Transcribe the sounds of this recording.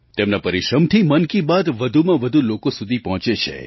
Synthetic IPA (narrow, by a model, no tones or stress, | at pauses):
t̪emnapəɾiʃɾəmt̪ʰimənkibad̪ʋəd̪ʱumãʋəd̪ʱulokosud̪ʱipəɦɔ̃t͡ʃet͡ʃʰḛ